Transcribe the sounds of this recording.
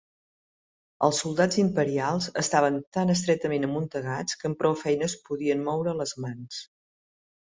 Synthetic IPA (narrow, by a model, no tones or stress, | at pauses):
əlˠsːulˠd̪ad͡zimpəɾialˠzəst̪aβənt̪anəs̬t̪ɾɛt̪əmenəmunt̪əɣat͡skəmpɾɔwfɛjnəspuðiənmɔwɾələzmans